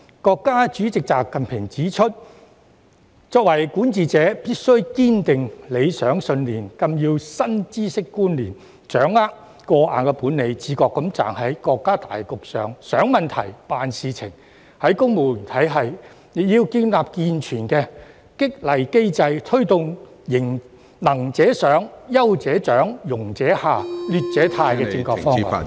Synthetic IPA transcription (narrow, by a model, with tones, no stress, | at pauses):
kɔː˧kːaː˥t͡ʃyː˨˥t͡sɪ˨k̚t͡saː˨p̚kɐ˨npʰɪ˨˩ŋt͡siː˨˥t͡ʃʰɵ˥t̚ | t͡sɔː˧k̚wɐ˨˩jkuː˨˥nt͡siː˨t͡sɛː˨˥piː˥t̚sɵ˥ɥkiː˥nt̪ɪ˨ŋle˨˧jsœː˨˥ŋsɵ˧nliː˨˩nkɐ˧mjiː˧wsɐ˥nt͡siː˥sɪ˥kːuː˥nliː˨˩n | t͡ʃœː˨˥ŋaː˥k̚ | kɔː˧ʔa̰ː˨nkɛ˧puː˨˥nːe˨˧jt͡siː˨˧˥kɔː˧kːɐ˨˥mt͡sa̰ː˨ŋɦɐ˨˥jkɔː˧kːaː˥t̪a̰ː˨jkʊ˨k̚sœ̰ː˨ŋsœː˨˥ŋmɐ˨nt̪ʰɐ˨˩jpaː˨nsiː˨˧t͡sʰɪ˨˩ŋ | hɐ˨˥jkʊ˥ŋmo˨˧yː˨˩nt̪ʰɐ˨˥jɦɐ˨j | jiː˧wkiː˧nlaː˨p̚kiː˧nt͡ʃʰyː˨˩nkɛː˧ | kɪ˥k̚lɐ˨˩jke˥jt͡sɐ˧jt̪ʰɵ˥ɥt̪ʊ˨ŋ | jɪ˨˩ŋ | nɐ˨˩ŋt͡sɛː˨˥sœː˨˥ŋjɐ˥wt͡sɛː˨˥t͡ʃœː˨˥ŋjʊ˨˩ŋt͡sɛː˨˥haː˨lyː˨t̚t͡sɛː˨˥t̪ʰaː˧jkɛː˧t͡sɪ˧ŋkɔː˧kfɔːŋa̰˨